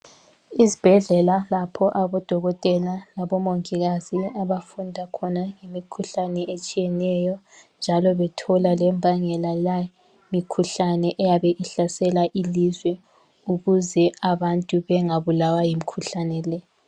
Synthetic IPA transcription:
izib̥ʱɛɮɛlalapʰɔʔaβɔd̥ʱɔɣɔtʼɛlalaβɔmoŋʼiɣaziaβafundʱakʰɔnaŋemikʰuɬanɛʔet͡ʃʼijɛnɛjɔ | nd͡ʒʱalɔβɛtʰɔlalɛmbʱaŋɛlaja | mikʰuɬanɛʔɛjaβɛʔiɬasɛlaʔilizwɛ | uɣuzɛaβantʼuβɛŋaβulawajimikʰuɬanɛlɛ

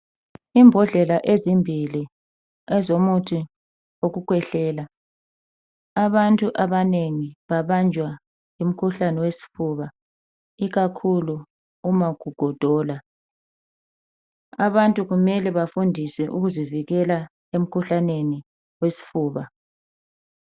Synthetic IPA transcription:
imbʱɔɮɛlaʔezimbʱili | ɛzomutʰʼi | oɣukʰwɛɬɛːla | aβantʼuʔaβaneŋiβaβand͡ʒʱwa | jum̩kʰuɬanɛwesi̥fuːβa | iɣakʰuluː | maɡ̥ʱuɡ̥ʱɔd̥ʱɔːla | aβantʼuɣumɛlɛβafundʱisɛʔuɣuziviɣɛla | em̩kʰuɬaneni | wesi̥fuːβa

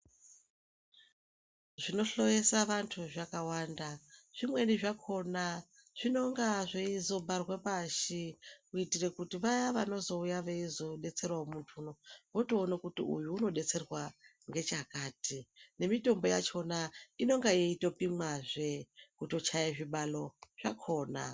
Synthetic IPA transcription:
ʐ̥ino̞ɬo̞je̞saʋantʰuʐakawaːndaʐ̥imwe̞niʐakʰo̞na | ʐ̥ino̞ŋɡaʐeizo̞bʱarwepaʃikuitire̞kutiʋajaʋano̞zo̞ujaʋeizoɗe̞t͡se̞rwamuntʰuːno̞βotoːnakutiṵjuːno̞ɗe̞t͡se̞rwa | ŋɡe̞t͡ʃakaːtʰine̞mito̞mbo̞ja̰t͡ʃo̞naino̞ŋɡajeito̞pimwaʐekuto̞t͡ʃajeʐiɓalo̞ʐ̥akʰo̞ːna̰

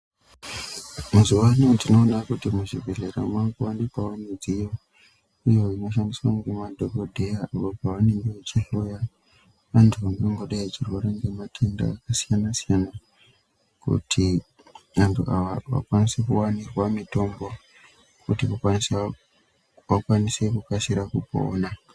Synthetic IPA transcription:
muzuwanitino̞ːnakutimuʐivʱeleɾa̰mwaŋɡowandepawanid͡zijo | ijoino̞ʃ̬andiswaŋɡemadʱoɡodʱe̞jaːpopawaneŋɡewet͡ʃiɦoja | ʋantʰuʋaŋɡoŋɡoɗait͡ʃirwe̞ɾe̞ŋɡe̞matʰenda̰ːkasijanasijana | kṵtʰi | ʋantʰuaaʋa̰kwanisekuwanirwamito̞mbo̞ | kutiʋakwanis | ʋakwanise̞kukasiɾakupo̰ːna

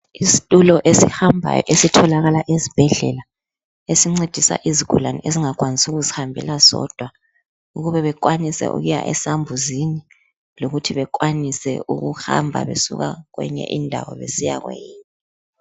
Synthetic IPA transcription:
isi̥tʼulɔʔesihambʱa̰jɔ̰ʔesitʰɔlaɣalaʔezib̥ʱɛɮɛ̰la | esiŋ͡ǀed̥ʱisa̰ʔiziɡ̥ʱulaniʔeziŋak̬ʼwanisuɣuzihambʱɛ̰lazɔ̰d̥ʱwa | uɣuβɛβɛk̬ʼwanisɛ̰ʔṵɣuja̰ʔɛsambʱuzini | loɣutʰiβɛk̬ʼwanisɛ̰uɣuha̰mbʱa̰βesuɣa̰ɣwɛɲɛ̰ʔindʱawɔ̰βesija̰ɣwḛjiːnɛ

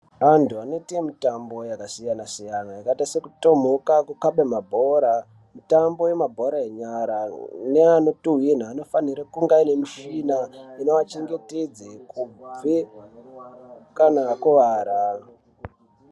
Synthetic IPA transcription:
antʰuano̞tiemitambo̞jakasijanasijanajakatasekuto̞m̤okakukaɓemabʱo̞ɾa | mitambo̞wemabʱo̞ɾaeɲaɾaneanotuɦin̤aːno̞faniɾakuŋɡaine̞miʃinaino̞at͡ʃe̞ŋɡe̞ted͡zekub͡ve | kanakuʋaːɾa

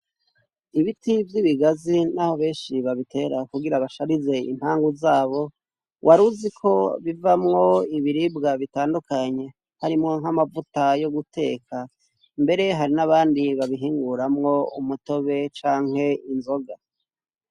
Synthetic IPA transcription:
iβitivjiβiɡazinaho̞βe̞ːnʃiβaβitʰe̞ːɾakuɡiɾaβaʃaɾize̞ḭm̥haːŋɡuzaːβo̞ | wʔaɾuzikʰo̞βivamŋo̞iβiɾibɡaβitaːndukaɲe̞ | haɾimŋo̞ŋ̥hamavutajo̞ɡutʰe̞̰ːkʰa | mbe̞ɾe̞ɦaɾinaβaːndiβaβiɦiːŋɡuɾamŋo̞umuto̞βe̞t͡ʃaːŋ̥he̞inzo̞ɡa

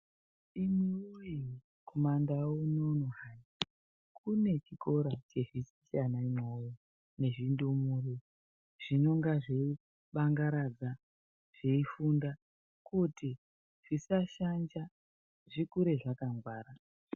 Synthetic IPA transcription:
imuoji | kʰomandaunonoɦani | kʰune̞t͡ʃiko̞ɾat͡ʃe̞ʐisit͡ʃanaimoji | ne̞ʐindumure | ʐ̥ino̞ŋɡaʐei | ɓaŋɡaɾad͡za | ʐ̥eifunda | kuti | ʐ̥isaʃand͡ʒa | ʐikuɾe̞ʐakaŋɡwaːɾa

